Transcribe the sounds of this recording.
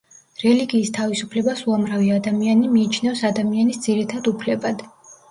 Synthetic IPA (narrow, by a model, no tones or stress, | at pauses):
ɾɛliɡiːst̪ʰavisupʰlɛbasuamɾaviad̪amianimiːt͡ʃʰnɛvsad̪amianisd̪z̥iɾit̪ʰad̪upʰlɛbad̪̥